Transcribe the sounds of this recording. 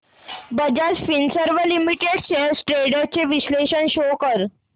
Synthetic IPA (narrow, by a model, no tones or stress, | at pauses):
bəd͡ʑasfinsəɾʋəlimiʈeɽɕesʈɾeɽat͡ɕeʋiɕleɕənɕokəɾ